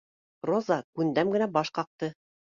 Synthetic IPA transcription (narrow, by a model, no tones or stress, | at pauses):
rozɑkʉnd̪æmɡɘ̆næbɑʃqɑq̚t̪ɤ